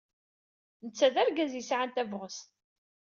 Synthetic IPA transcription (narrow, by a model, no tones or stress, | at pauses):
nət͡sːæðæɾɡæzjisʕant̪ævʁəs